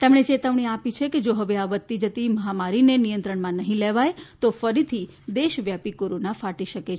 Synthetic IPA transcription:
t̪emɳ̃et͡ʃet̪əʋɳ̃iapit͡ʃʰeked͡ʒoɦəʋeaʋət̪ːid͡ʒət̪iməɦamaɾinenijə̃nt̪ɾəɳmãnəɦĩleʋajt̪ofəɾit̪ʰi | d̪eʃʋjapikoɾonafaʈiʃəke

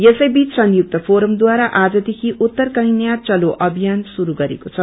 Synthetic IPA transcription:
jesʌjbit͡ssʌŋjuk̚t̪ʌpʰoɾʌmd̪waɾaʔad͡zʌd̪ekʰiʔut̪ːʌrkʌɦĩnjat̪̚t͡sʌloʔʌbʱijansuɾuɡʌɾḛkot͡sʰʌ

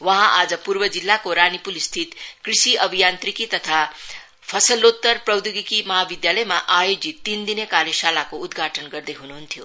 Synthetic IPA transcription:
wʌɦãʔad͡zʌpurbʌd͡zilːakoɾanipulist̪ʰit̪krisiʔʌbʱijant̪rikit̪ʌt̪ʰa | pʰʌsʌlːot̪ːʌrprʌwd̪juɡikimʌɦabid̪jalʌjmaʔajod͡zit̪ind̪inekaɾjesalakoud̪ɡʱaʈʰʌnɡʌrd̪ʌjɦunuɦunt̪ʰijo

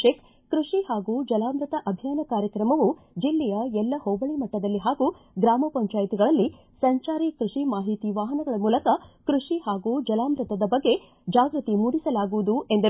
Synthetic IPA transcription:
eːk | kɾuʂihaːɡuːd͡ʒɐlaːmɾɨt̪ɐʔɐbʱjaːnɐkaːɾjɐkɾɐmɐʋu | d͡ʒilːɛjɐɛlːɐhoːbɐɭimɐʈːɐd̪ɐlːiɦaːɡu | ɡɾaːmɐpɐɲt͡ʃaːjit̪iɡɐɭɐlːi | sɐɲt͡ʃaːɾikɾuʂimaːɦit̪iʋaːɦɐnɐɡɐɭɐmuːlɐkɐkɾuʂihaːɡuːd͡ʒɐlaːmɾɨt̪ɐd̪ɐbɐɡːe̞ | d͡ʒaːɡɾɨt̪imuːɽisɐlaːɡuʋud̪ue̞nd̪ɐ

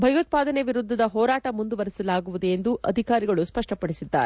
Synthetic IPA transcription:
bʱɐjut̪̚paːd̪ɐneʋiɾud̪ʱːɐd̪ɐɦɔːɾaːʈɐmund̪uʋɐɾisɐlaːɡuʋud̪eend̪uʔɐd̪ʱikaːɾiɡɐɭuspɐʂʈɐpɐɽisid̪ːa̰ːɾe

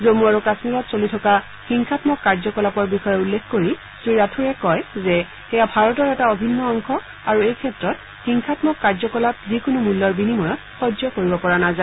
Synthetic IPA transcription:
zomuaɹukasmiɹɔtsolitʰɔka | xiŋxʰatmɔkːaɹzɔkɔlapɔɹbixɔjɔulːekkoɹi | siɹatʰuɹɛkɔjzɛ | xɛjabʱaɹɔtɔɹɛtaobʱinːɔɔŋxɔ | aɹuejkʰɛtɹɔt | xiŋxʰatmɔkːaɹzɔkɔlap̚zikʊnumulːɔɹbinimɔjɔt̚xɔzɔkoɹibɔpɔɹanaza

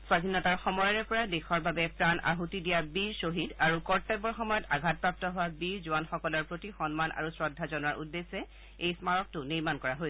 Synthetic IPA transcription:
swadʱinɔtaɹxɔmɔjaɹɛpɔɹadexɔɹbabɛpɹanʔa̰ɦutidijabiɹsoɦidaɹukɔɹtɛbɔɹxɔmɔjɔtaɡʱat̚pɹap̚tɔɦʊwabiɹzuwanxɔkɔlɔɹpɹotixɔnmanʔa̰ɹusɹɔdʱːazɔnaɹʔudːesːɛ | ejsmaɹɔk̚tʊniɹmankɔɹaɦojs

